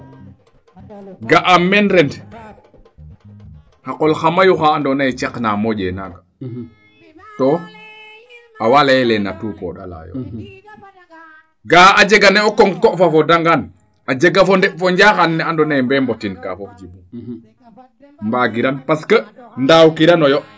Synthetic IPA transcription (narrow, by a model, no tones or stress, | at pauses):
ɡaʔamɛnɾɛnd | xaqɔlxamajuxaːndɔnajt͡ʃɛknamɔɟɛnaɡa | tɔ | awalajɛlɛna̰tuːkɔ̰ɗa̰la̰jo̰ | ɡaad͡ʒeɡanɛokɔŋkɔʔfafodaŋɡan | ad͡ʒeɡafɔndɛfɔɲɟaːxanːɛandɔnajmbɛmbotinka̰fofd͡ʒibu | mbaɡiɾanpaskəndawkiɾanojɔ